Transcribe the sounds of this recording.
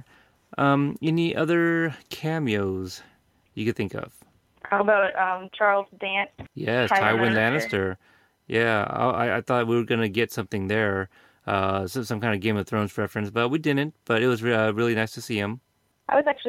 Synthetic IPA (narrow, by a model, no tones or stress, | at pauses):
ʔʌ̃mɨ̃nðiʔʌðə˞kʰæmjoʊz̥ | jɨkɨd̪̚θɪ̃ŋkʌ̰v̥ | ʔʰɔlˠbaʊt̚ʌ̃mt͡ʃʰɑɹlˠzdæ̃nt̚jɛsʰaɪwɪ̃ndænɨstə˞ | jæa̰ɪa̰ɪa̰ɪθɔtt̚wiwə˞ɡʌnɨɡɛtsʌ̃mθɪ̃ŋðə˞ | ʔʌsʌ̃sʌ̃mkʰãɪ̃ndvɡẽɪ̃mʌv̥θɹõʊ̃nz̥pʰɹɛfɹɨ̃nsb̥ʌt̚widɪdⁿn̩t̚b̥ʌɾɨt̚wʌzʌɹɪlˠinaɪstʰɨsiɨ̃m | ʔaɪwʌzæk̚t͡ʃʉ